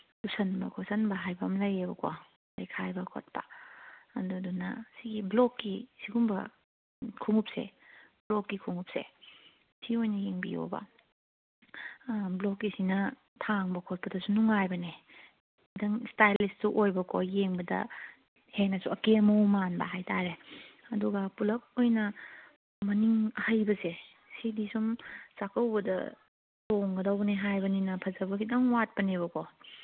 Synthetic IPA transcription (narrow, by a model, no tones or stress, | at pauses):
lusɐnbɐ̰kʰosɐnbɐɦajbɐmlɐjebɐkʰo | lɐjkʰajbɐkʰo̰t̚pɐ | ɐdudunɐ̰siɡiblokːisiɡumbɐ̰ | kʰuŋup̚sḛblokːikʰuŋup̚sḛ | siojnɐjeŋbijo̰bɐ̰ | blokːisinɐ | tʰaŋbɐkʰot̚pɐdɐsunuŋajbɐne | dɐŋstajlistsuʔojbɐkʰojeŋbɐdɐ̰ | henɐsuɐkemɐwmanbɐ̰ɦajtʰaɾeɐduɡɐpulɐk̚ojnɐ | mɐniŋhajbɐse | sidisumsakɐwbɐdɐ̰ | toŋɡɐdɐwbɐneɦajbɐninɐpʰɐzɐbɐkʰidɐŋwat̚pɐneβɐko